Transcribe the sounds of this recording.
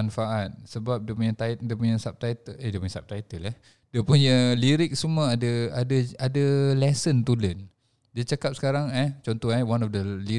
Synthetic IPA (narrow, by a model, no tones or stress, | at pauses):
anfaʔat̪̚səbap̚dəpuɲət̪adəpuɲə̃sap̚t̪ait̪əədiəpuɲə̃sap̚t̪ait̪əlah | diəpuɲəliɾɪk̚səmuəadəadəadəlɛsənt̪ulən | dət͡ʃakap̚sə̥kaɾaŋat͡ʃɔnt̪ɔhawanɔfdəli